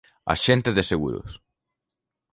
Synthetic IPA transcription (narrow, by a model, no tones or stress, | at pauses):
a̰ʃent̪eðeseɣṵɾo̰s